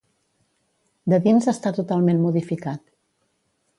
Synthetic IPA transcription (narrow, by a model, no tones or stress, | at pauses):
d̪əðinzəst̪at̪ut̪alˠmenmuðifikat̪̚